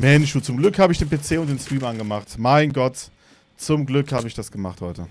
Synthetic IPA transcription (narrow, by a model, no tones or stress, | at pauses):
mɛnʃuːt͡sʊmɡlʏkhaːbəɪçd̥eːnpʰet͡seːʊnt̚d̥eːnstɹ̥iːmʔanɡəmaχtmaɪnɡɔt | t͡sʊmɡlʏkhaːbəɪçd̥asɡ̥əmaχthɔʏtə